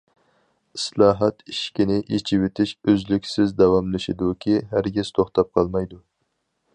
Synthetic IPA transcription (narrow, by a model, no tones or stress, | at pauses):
islˠɑːɦɑt̪iʃkʲinɪʔet͡ʃʰiwet̪ʰɪʃøzlykʲsɪzd̪ɑwɑmlɪʃid̪ukʲʰiɦæɾɡʲiz̥t̪ʰoχt̪ɑp̚qʰɑlˠmɑjd̪u